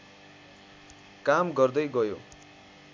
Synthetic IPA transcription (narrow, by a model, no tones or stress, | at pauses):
kamɡʌrd̪ʌjɡʌjo̰